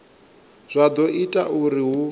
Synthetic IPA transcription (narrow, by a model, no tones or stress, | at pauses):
z̥ʷad̪ɔʔitʼauɾiɦu